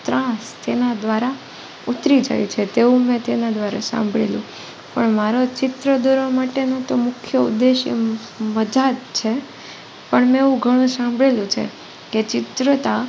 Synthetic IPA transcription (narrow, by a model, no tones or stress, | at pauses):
t̪ɾãst̪enad̪ʋaɾa | ut̪ɾid͡ʒa̰jut͡ʃʰet̪eũmɛ̃t̪enad̪ʋaɾa̰sã̰mbʱɭḛlṵ̃ | pəɳmaɾot͡ʃɪt̪ɾəd̪oɾomaʈenot̪omʊkʰjəṵd̪ːeʃḛ | məd͡ʒat̪t͡ʃʰe | pəɳmeũɡʱəɽ̃ũsãmbʱɭelũt͡ʃʰḛ | ket͡ʃɪt̪ɾət̪a